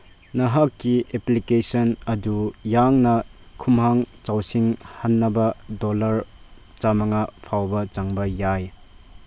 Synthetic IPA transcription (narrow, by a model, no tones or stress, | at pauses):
nɐɦakːieplikesɔnɐdujaŋnɐ | kʰumɦaŋt͡ʃawsiŋhanːɐbɐdolɐɾ | t͡ʃamɐŋɐpʰawbɐt͡ʃaŋbɐjaj